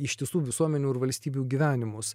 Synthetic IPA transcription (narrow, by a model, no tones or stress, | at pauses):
ɪʃʲt̪ʲɪsuːʋʲɪsuɔmʲɛnʲuːɪɾʋɐlʲsʲt̪ʲiːbʲuːɡʲiʋʲæːnʲɪmʊs